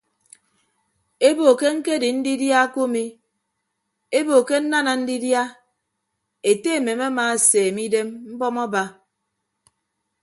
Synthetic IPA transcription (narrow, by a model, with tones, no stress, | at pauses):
e˦bo˨ke˦ŋ̩˦ke˦di˨n̩˦di˦dja˦ku˦mi˦ | e˦bo˨ke˦n̩˦na˦na˨n̩˦di˦dja˦ | e˨te˦e˨me˨ma˦maː˨seː˨mi˦de˦mm̩˦bɔ˦mɔ˦ba˦